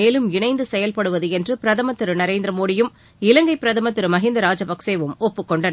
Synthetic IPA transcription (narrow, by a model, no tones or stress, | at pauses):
eːlɯmɪɳɐɪnd̪ɯsɛjɐlpɐɽɯʋɐðɯɛndrɯpɪɾɐðɐmɐt̪ːɪɾɯnɐɾeːnd̪ɾɐmoːɽɪjɯm | ɪlɐŋɡɐɪpːɪɾɐðɐmɐt̪ːɯɾɯmɐɦɪnd̪ɐɾaːd͡ʒɐpɐkseːʋɯmɔpːɯkːɔɳɖɐn